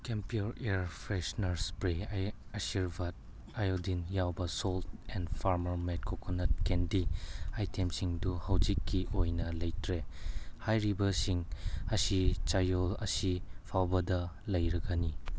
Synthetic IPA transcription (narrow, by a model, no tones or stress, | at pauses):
kempioɾeɾpʰɾesnɐɾspɾeaɐsiɾbat̚ | ajodinjawbɐsolt̚ɛndpʰaɾmɐɾmet̚kʰokʰonɐt̚kendiajtʰemsiŋduhawd͡ʒikːiʔojnɐlɐjtɾehajɾibɐsiŋɐsit͡ʃajolɐ̰sipʰawbɐdɐ | lɐjɾɐɡɐni